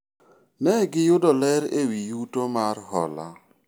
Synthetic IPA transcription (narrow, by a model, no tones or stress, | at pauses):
nɛɡɪjʊdɔlɛɾewijutomarhɔ̰la̰